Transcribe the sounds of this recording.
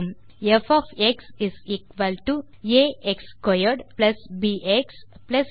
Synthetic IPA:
m | efɔfeksɪziːkʋəlʈu | eekskɔjəɾɖplɐsbiːʔeks | plɐs

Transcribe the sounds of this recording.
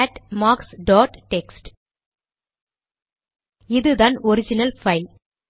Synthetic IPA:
ɛʈmaːksɖɔːʈːɛksʈ | ɪðɯðaːnɔɾɪd͡ʒɪnɐlfɐɪl

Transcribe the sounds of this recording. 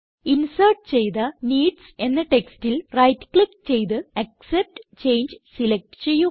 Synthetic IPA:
insɐrʈ̚t͡ɕe̞jt̪ɐniːɖse̞nːɐʈe̞kstilrɐjtːkɭikːt͡ɕejt̪̬ɨɐk̚sep̚ʈt͡ɕe̞jnd͡ʑsilek̚ʈɨ̥t͡ɕe̞jːu

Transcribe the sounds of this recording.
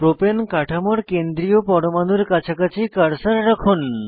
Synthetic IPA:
pɾopenkaʈʰamoɾkend̪ɾiopɔɾomanuɾkat͡ɕʰakat͡ɕʰikaɾsaɾːakʰun

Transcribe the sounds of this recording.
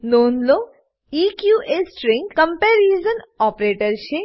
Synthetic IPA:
noːnloː | ikjuːʔesʈɾɪ̃ŋɡkɐmpeːɾiːzənɔːpɾeːʈəɾʃe

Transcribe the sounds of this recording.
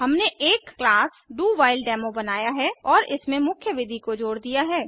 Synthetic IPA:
ɦɐmneʔeːkːlaːs | ɖuːʋaːɪlɖɛːmobɐnaːjaɦɛɔːɾɪsmẽmʊkʰjəʋɪd̪ʱikod͡ʒoːɽd̪ijaɦɛː

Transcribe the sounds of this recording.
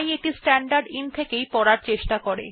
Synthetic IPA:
jek̚ʈisʈɛɳɖaɾɖint̪ʰekejpɔɽaɾt͡ɕeʃʈakɔɾḛ

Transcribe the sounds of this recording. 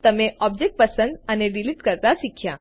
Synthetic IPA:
t̪əmeʔɔb̚d͡ʒek̚ʈ̚pəsə̃nd̪əneɖiliʈkəɾt̪aʃikʰja

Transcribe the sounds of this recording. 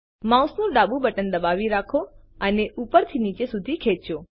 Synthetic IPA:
mãũsnũɖabũbəʈənd̪əbaʋiɾakʰoəneʔupəɾt̪ʰinit͡ʃesud̪ʱikʰet͡ʃo

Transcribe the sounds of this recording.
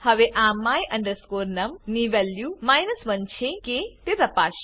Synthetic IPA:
hɐʋeʔaːmːaːjʔɐ̃ɳɖɐɾskoːɾnɐmniʋɐljumaːjnɐsʋɐnt͡ʃʰeket̪et̪ɐpaːʃ

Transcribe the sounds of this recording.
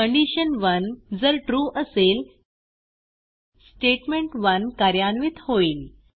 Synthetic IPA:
əɳɖiɕənʋənd͡zəɾʈɾuʔəsel | sʈeʈmeɳʈʋənkaɾjanʋit̪hoiːl

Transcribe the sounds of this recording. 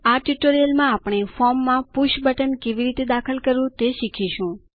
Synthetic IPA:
aʈuʈoɾijəlmãapɳ̃efɔɾmːãpuʃbəʈənkeʋiɾit̪ed̪akʰəlkəɾũt̪eʃikʰiʃũ

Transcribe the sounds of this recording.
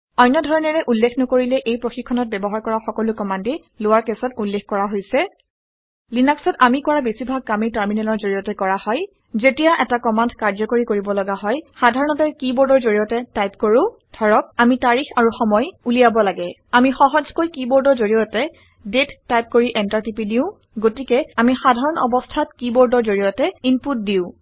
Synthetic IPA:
ɔjnːɔdʱɔɹɔnɛɹɛʔulːexʰnɔkoɹilɛʔejpɹoxikʰːɔnɔt̚bɛbɔɦaɹkɔɹaxɔkɔlʊkɔmandi | lʊwaɹkɛsɔtulːexkɔɹaɦojsɛ | linaksɔtamikɔɹabesibʱaɡ̚kamitaɹminɛlɔɹzoɹijɔtɛkɔɹahɔj | zetijaʔɛtakɔmandkaɹd͡ʒzɔkoɹikoɹibɔlɔɡaɦɔjxadʱaɹɔnɔtɛkibɔɹdɔɹzoɹijɔtɛtajp̚koɹʊ̃ | dʱɔɹɔk̚amitaɹixaɹuxɔmɔjulijabɔlaɡɛ | amixɔɦɔzkojkibɔɹdɔɹzoɹijɔtɛ | detːajp̚koɹiʔɛntaɹtipidiʊ̃ | ɡotikɛamixadʱaɹɔnɔ̰bɔstʰatkibɔɹdɔɹzoɹijɔtɛinput̚diʊ̃

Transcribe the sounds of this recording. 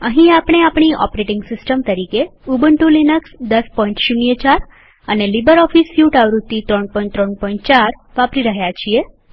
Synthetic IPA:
ə̃ɦĩapɽ̃eapɽ̃iʔɔ̰pɾeʈiŋɡsisʈəmt̪əɾikeubəɳʈulinəksd̪əspɔĩɳʈɕunjət͡ɕaɾ | ənelibəɾɔfisjuʈaʋɾut̪ːit̪ɾɔɳpɔĩɳʈt̪ɾɔɳpɔĩɳʈ̚t͡ʃaɾʋapɾiɾəɦjat͡ʃʰie

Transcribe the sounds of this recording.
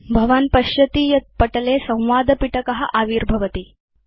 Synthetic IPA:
bʱɐʋanpɐɕɐt̪iːjɐt̪̚pəʈlesɐ̃w̃ʋaːd̪ʱəpiʈɐkɐɦa̰ʔaʋiːɾbʱɐʋət̪iː

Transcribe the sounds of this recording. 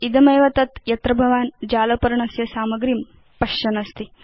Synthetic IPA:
id̪ɐmɐjʋɐt̪ɐt̪jɐt̪ɾɐbʱɐʋaːnd͡ʒaːlɐpɐɾɐɳɐsjɐsaːmɐɡɾim | pɐʃt͡ʃɐnɐst̪i

